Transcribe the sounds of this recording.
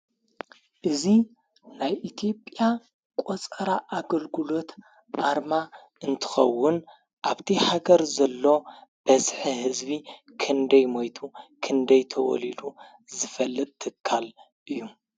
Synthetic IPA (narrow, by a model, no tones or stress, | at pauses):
ʔɨzi | najʔit̪ʰijo̞pʼja | kʼot͡sʼɐɾaʔaɡɐlɡɨlo̞t̪ | ʔaɾma | ʔɨnt̪ʰɨ̥xɐ̰wːʊn | ʔaβt̪ʰiħaɡɐɾzɐlːo̞b̥ɐsħiɦɨzbi | kʰɨnd̪ɐjmojt̪ʰukʰɨnd̪ɐjt̪ʰɐwɔ̰lid̪u | zɨfɐlːɨt̪ʼt̪ʰːɨkʰːal | ʔɨjːu